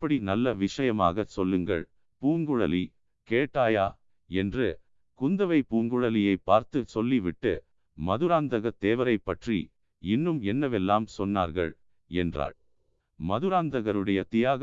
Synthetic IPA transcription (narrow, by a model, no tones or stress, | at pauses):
pːɐɽinɐlːɐʋɪʂɐjɐma̰ːɣɐsɔlːɯŋɡɐ̰ɭ | puːŋɡɯɻɐ̰li | keːʈːaːjaː | ɛndrɯ | kʊnd̪ɐʋɐɪpuːŋɡɯɻɐlɪjɐɪpːaːɾt̪ɯsɔlːiʋɪʈːɯ | mɐðɯɾaːnd̪ɐɣɐt̪ːeːʋɐɾɐɪpːɐʈrḭ | ɪnːɯmɛnːɐʋɛlːaːmsɔnːa̰ːɾɣɐ̰ɭ | ɛndra̰ːɭ | mɐðɯɾaːnd̪ɐɣɐɾɯɽɐjɐt̪ɪjaːɣ